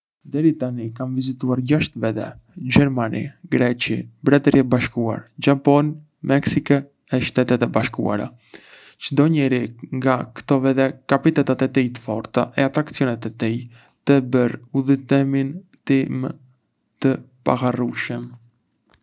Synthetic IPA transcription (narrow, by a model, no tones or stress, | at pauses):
d̪ɛɾit̪anikamvizit̪uaɾɟaʃt̪vɛðɛ̰ɟɛɾmanḭɡɾɛt͡ʃibɾɛt̪ɾiɛbaʃkua̰ɾd͡ʒapɔn | mɛksikɛ | ɛʃt̪ɛt̪ɛt̪ɛbaʃkṵa̰ɾa̰ | t͡ʃəd̪ɔɲɛɾiŋɡakt̪ɔvɛðɛkapit̪ɛt̪at̪ɛt̪ijt̪ə̥fɔɾt̪a̰ʔɛat̪ɾakt͡siɔnɛt̪ɛt̪ij | t̪əbəɾuðit̪ɛmint̪imə | t̪əpa̰ɣaruʃəm